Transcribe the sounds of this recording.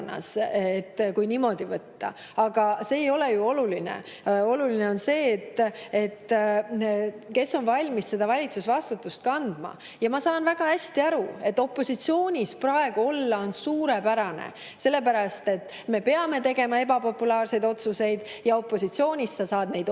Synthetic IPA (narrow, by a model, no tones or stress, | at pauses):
nːɑ̰set̪ːkujniːmo̞d̪ivɤt̪ːɑ̰ | ɑɡ̥ɑse̞ːjo̞le̞juo̞lulinḛ | o̞luline̞o̞nse̞ːt̪ːet̪ː | ke̞sːo̞nvɑlʲmisse̞d̪ɑvɑlʲit̪susvɑst̪ut̪ːˑust̪̚kɑnd̪̥mɑ̰ | jɑmɑsɑːnvæɡ̥ɑhæsʲt̪iɑɾue̞t̪ːo̞pːˑo̞sit̪sio̞ːnʲisprɑe̞ɡ̥uo̞lːɑo̞nsuːɾepæɾɑnḛ | se̞lːe̞pæɾɑst̪e̞t̪ | me̞pe̞ɑme̞t̪e̞ɡe̞mɑe̞bɑpo̞pːulɑːrse̞jd̪o̞t̪suse̞jd̪̥jɑo̞pːˑo̞sit̪sio̞ːnʲissɑsɑːd̪̥ne̞jd̪